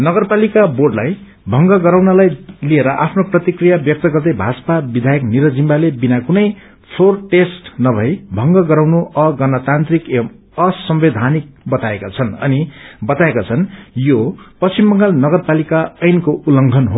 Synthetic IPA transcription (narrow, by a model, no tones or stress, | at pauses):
nʌɡʌrpalikaborɖlaj | bʱʌŋɡʌɡʌɾawnʌlajlieɾʌʔapʰnoprʌt̪ikrijabjʌk̚t̪ʌɡʌrd̪ʌjbʱat͡sʌ̥pabid̪ʱajʌkniɾʌd͡zimbalebinakunʌj | t͡sʰorʈesʈnʌbʱʌjbʱʌŋɡʌɡʌɾawnuʔʌɡʌnʌt̪ant̪rikem | ʌsʌmbed̪ʱanik̚bʌt̪aekat͡sʰʌnʌ̰nibʌt̪aekat͡sʰʌnjopʌsimbʌŋɡʌlnʌɡʌrpalikaʌjnkoʔulʌŋɡʱʌnɦo